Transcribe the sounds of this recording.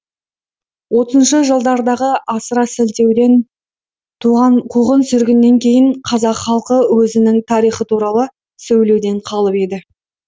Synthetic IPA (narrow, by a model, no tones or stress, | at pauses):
wo̞t̪əzənʃəʒəlˠd̪ɑɾd̪ɑʁəɑsəɾɑsɪlt̪e̞wd̪e̞n | t̪ʰuʁɑnqʰuʁənsʏɾɡʲɪnːe̞ŋkʲʰe̞jɪɴqʰɑzɑqχɑlˠqəwɵzɪnɪŋt̪ʰɑɾijχət̪ʰuɾɑlˠə | sɵwle̞wd̪e̞ɴqʰɑlˠəpe̞d̪ɪ